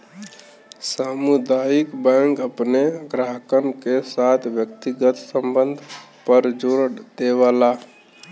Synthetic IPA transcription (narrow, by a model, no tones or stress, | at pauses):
samud̪ajikbãŋkəpneɡɾaɦkənkesat̪ʰbjəkt̪iɡət̪səmbənd̪ʱ | pəɾd͡ʒoɾd̪eʋala